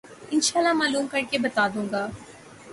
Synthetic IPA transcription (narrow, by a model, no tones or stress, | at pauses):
ɪnʃaːlːamaːluːmkɐɾkebɐt̪aːd̪ũːŋɡaː